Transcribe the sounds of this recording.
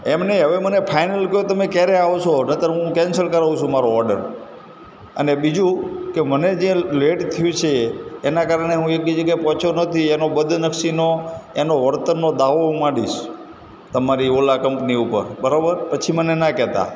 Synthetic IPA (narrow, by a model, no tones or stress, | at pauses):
emneɦəʋemənepʰajnəlkəjot̪əmekɛɾeaʋt͡ʃʰonət̪əɾɦũkɛ̃nsəɾkəɾaʋũt͡ʃʰũmaɾoɔɾɖə̰ɾ | ə̰nebid͡ʒũkeməned͡ʒeleʈt̪ʰəjũt͡ʃʰeːnakaɾəɳ̃eɦũeknid͡ʒəɡajpɔt͡ʃʰonət̪ʰienobəd̪ʱnəkʃinoenoʋəɾt̪ənːod̪aʋomaɽiʃ | t̪əmaɾiolakəmpniupəɾbəɾabəɾpət͡ʃʰimənenakɛt̪a̰